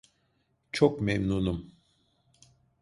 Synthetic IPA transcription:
t͡ʃʰokmemnunum

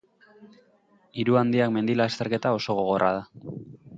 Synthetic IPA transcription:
iɾuand̪iakme̞nd̪ilaːst̪e̞ɾke̞t̪ao̞so̞ɣ̞o̞ɣ̞o̞ra̰ð̞a

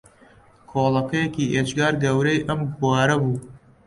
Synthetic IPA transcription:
kʰoːlˠɐkɐjɛkiːʔed͡ʒɡɑːɾɡɐwɾejʔɐmɡwɑːɾɐbuː

